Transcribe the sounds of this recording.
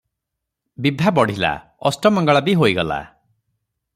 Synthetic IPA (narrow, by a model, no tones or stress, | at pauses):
bibʱabɔɽ̤ila̰ | ɔsʈɔmɔŋɡɔɭabiɦoiɡɔla̰